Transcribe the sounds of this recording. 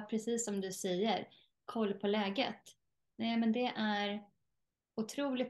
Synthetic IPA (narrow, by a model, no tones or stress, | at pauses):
pʰɾɛsiːsːɔmd̪ɵsɛjːəɾ | kʰɔlːpʰɔlɛːɡə̰t̪ | nɛɪmɛnd̪ɛʔæɾ | ʊt̪ʰɾuːlɪt̪